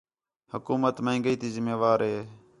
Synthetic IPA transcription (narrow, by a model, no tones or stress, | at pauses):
həkuːmət̪mẽĩːŋɡəiːt̪ʰiːzɪmeːʋaːɾɦeː